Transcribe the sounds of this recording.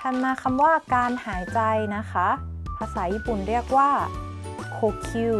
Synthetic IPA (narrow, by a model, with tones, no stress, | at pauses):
t̪ʰa˧mːaː˧˩kʰa˧mwaː˥˩kaː˧nhaː˩˦jt͡ɕa˧jna˦˥kʰa˦˥ | paː˧sa˩˦jːiː˥˩pu˨˩nɾi˥˩ək̚waː˥˩ | kʰoː˧kʰi˧